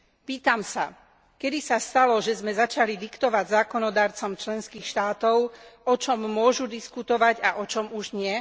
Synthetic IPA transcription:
piːt̪amsa | kɛd̪isast̪alɔʒɛzmɛzat͡ʃalid̪ikt̪ɔʋaɟzaːkɔnɔd̪aːɾt͡sɔmt͡ʃlɛnskiːxʃt̪aːt̪ɔʊɔt͡ʃɔmːʊɔʒud̪iskut̪ɔʋaɟaʔɔt͡ʃɔmuʒɲɪɛ

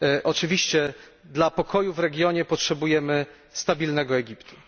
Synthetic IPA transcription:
ʔɔt͡ʂɘvʲiɕt͡ɕɛ | d̪lapɔkʰɔjuvɾɛɡʲjɔɲɛpɔtʂɛbujɛmɘ | st̪abʲilnɛɡɔɛɡʲipt̪ʰu̥

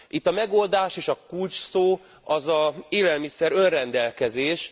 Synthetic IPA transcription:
ʔit̪ːɒmɛɡo̞ld̪aːʃeːʃɒkult͡ʃsoː | ɒzɒeːlɛlmisɛɾø̞nrɛnd̪ɛlkɛzeːʃ

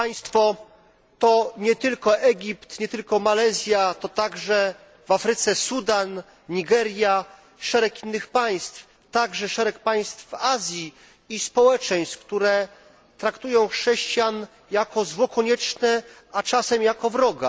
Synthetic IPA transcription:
aj̃st̪fɔ | t̪ɔɲɛt̪ɘlkɔʔɛɡʲipt̪ɲɛt̪ɘlkɔmalɛzʲjat̪ɔt̪aɡʐɛ | vafɾɘt̪sɛsud̪an | ɲiɡɛɾʲja | ʂɛɾɛkinːɘxpaj̃st̪f | t̪aɡʐɛʂɛɾɛk̚paj̃st̪fvazʲjiː | spɔwɛt͡ʂɛj̃st̪k̚t̪uɾɛ | t̪ɾakt̪ujɔ̃w̃xʂɛɕt͡ɕjan | jakɔzwɔkɔɲɛt͡ʂnɛ | at͡ʂasɛmjakɔvɾɔɡa̰

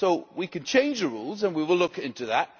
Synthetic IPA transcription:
soʊwikɨ̃n̩t͡ʃʰẽɪ̃nd͡ʒðəɹṵlˠzə̃nwiwəlʊkɪ̃ntʉðæt̚

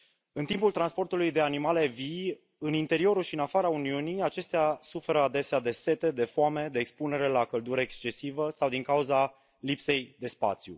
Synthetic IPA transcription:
ɨnt̪impult̪ɾanspo̞rt̪ulujd̪e̞animale̞vi | ɨnint̪e̞ɾio̞ɾuʃiɨnafaɾauniuniat͡ʃe̞st̪easufe̞ɾəad̪e̞sead̪e̞se̞t̪e̞d̪e̞foame̞d̪e̞ːkspune̞ɾe̞lakəld̪uɾəekst͡ʃe̞sivəsawd̪iŋkauza | lipse̞jd̪e̞spa̰t̪sjṵ

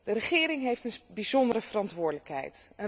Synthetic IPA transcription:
d̥ərəχɪːɾɪŋɦejftənbizɔndəɾəv̥ərɑntʋʊːɹdələkɦɛ̰jtə

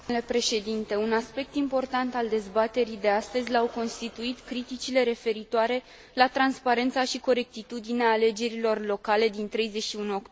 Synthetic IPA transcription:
le̞pɾe̞ʃe̞d̪int̪e̞unaspe̞k̚t̪impo̞rt̪ant̪ald̪e̞zbat̪e̞ɾid̪e̞ast̪əzʲlawko̞nst̪it̪uit̪kɾit̪it͡ʃile̞ɾe̞fe̞ɾit̪oaɾe̞ | lat̪ɾanspaɾe̞nt̪saʃiko̞ɾe̞k̚t̪it̪ud̪ineaːle̞d͡ʒe̞ɾilo̞rlo̞kale̞d̪int̪ɾe̞jze̞ʃiunuo̞kt̪

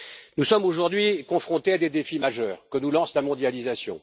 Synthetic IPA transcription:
nusɔmoʒuʁd̪ɥikɔ̃fχɔ̃t̪ead̪ed̪efimaʒœːʁkənulɑ̃slamɔ̃d̪jalizasjɔ̰̃

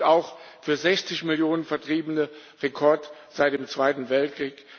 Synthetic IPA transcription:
aʊxfyːɐzɛçt͡sɪçmɪljoːnənfɛɐtʁ̥iːbənəʁekʰɔɐtz̥aɪt̚d̥eːmt͡sv̥aɪtn̩vɛltkʁ̥iːk

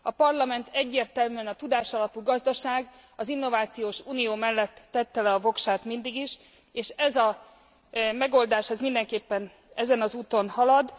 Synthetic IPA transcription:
ɒpɒrlɒmɛnt̪ʰɛɟːeːrt̪ɛlmyɛnɒt̪ud̪aːʃɒlɒpuɡɒzd̪ɒʃaːɡ | ɒzinːo̞vaːt̪sijoːʃuːnijoːmɛlːɛt̪ːɛt̪ːɛlɛɒvo̞kʃaːt̪mind̪iɡiʃ | eːʃɛzɒ | mɛɡo̞ld̪aːʃɛzmind̪ɛŋkeːpːɛn | ɛzɛnɒzuːt̪o̞nhɒlɒd̪

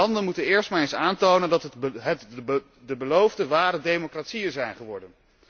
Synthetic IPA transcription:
ɑndənmutənɪːɹstmaːɹejnsaːntownəndɑtɦət | dəbəlowvdəʋaːɾədejmokratsijənzɛjnχəʋɔɹdən

